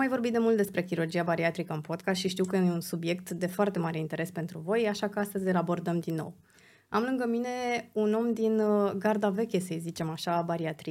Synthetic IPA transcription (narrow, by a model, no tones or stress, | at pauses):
majvo̞rbit̪d̪emult̪d̪e̞spɾe̞kʲiɾurd͡ʒiabaɾiat̪ɾikəɨnpo̞d̪kasʃiʃt̪iwkəjeeunsubje̞k̚t̪d̪e̞foart̪e̞maɾe̞int̪e̞ɾe̞spe̞nt̪ɾuvo̞jaʃakəast̪əzʲəlabo̞rd̪əmd̪inːo̞̰w | amlɨŋɡəmine̞uno̞md̪inɡard̪ave̞kʲe̞səjzit͡ʃe̞maʃabaɾiat̪ɾi